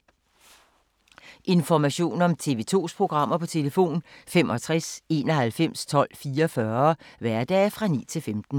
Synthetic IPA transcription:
ʔe̝nfɒmæɕo̝̰ːnɒ̽mt͡sʰe̝ʋe̝̰ːt͡sʰo̝̰ːspʰʁo̝ɡ̥ʁɑ̈m̰ɐpʰɒ̽t͡sʰe̝ləfo̝̰ːnfemʔɒ̽t͡sʰʁase̝ːnɒ̽ɦælfem̰st͡sʰɒ̽l̰fiːɐɒfɶɐʋæɐd̥ɛ̰ːfʁɑ̈nḭːt͡sʰe̝lfemd̥n̩

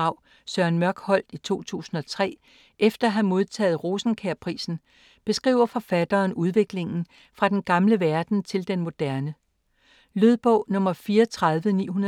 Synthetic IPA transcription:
ɑ̈ʊ̰ | sɶɐnmɶɐɡ̥hɒ̽l̰d̥it͡sʰo̝̰ːt͡sʰṵːsn̩ɒ̽t͡sʰʁɛ̰ː | ʔefd̥ɐɦæmo̝ð̞ˠt͡sʰɛ̰ːð̩ˠʁo̝ːsn̩kʰæɐpʰʁḭːsn̩ | b̥e̝sɡ̥ʁḭːʊɐfɒ̽fæd̥ɐːnuð̞ˠʋe̝ɡ̥le̝ŋn̩ | fʁɑ̈d̥enɡ̥ɑ̈mləʋæɐd̥n̩t͡sʰe̝ld̥enmo̝d̥æɐnə | løð̞ˠb̥ɔʊ̰nɔ̽mɐfiːɐt͡sʰʁɑðˠʋənḭːhunɐ

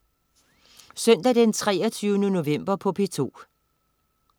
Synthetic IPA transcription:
sœn̰d̥ædent͡sʰʁɛ̰ːɐt͡sʰyːʊnəno̝ʋem̰b̥ɐpʰɒ̽pʰe̝t͡sʰo̝̰ː

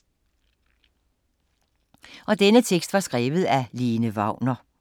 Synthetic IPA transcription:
ʔɒ̽d̥enət͡sʰeɡ̥sd̥ʋɑ̈sɡ̥ʁɛːʋð̞̩ˠæliːnəʋɑ̈ʊ̰nɐ

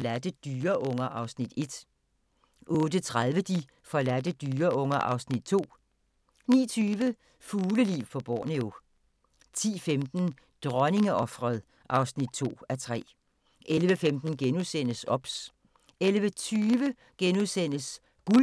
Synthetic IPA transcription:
læd̥əd̥yːɐʔɔ̽ŋɐʔɑ̈ʊsnid̥e̝d̥ | ʔɔ̽ːd̥ət͡sʰʁaðˠʋəd̥i | fɒ̽læd̥əd̥yːɐɔ̽ŋɐʔɑ̈ʊsnid̥̚t͡sʰo̝̰ː | nḭːɐt͡sʰyːʋə | fuːləlḭʊ̰fɒ̽b̥ɒ̰ːneo̝ | t͡sʰḭːfemd̥n̩ | d̥ʁɶne̝ŋəʔɒ̽fʁɐðˠ | ʔɑ̈ʊsnid̥̚t͡sʰo̝̰ːæt͡sʰʁɛ̰ː | ʔelʋəfemd̥n̩ɡ̥enuðˠsen̰əsɒ̽b̥s | elʋət͡sʰyːʋə | ɡ̥enusen̰əs | ɡ̥u

